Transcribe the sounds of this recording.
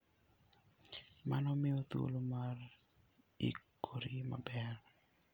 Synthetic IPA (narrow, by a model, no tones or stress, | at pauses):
manɔmɪot̪o̰lomar | ḭkʰoɾimabɛr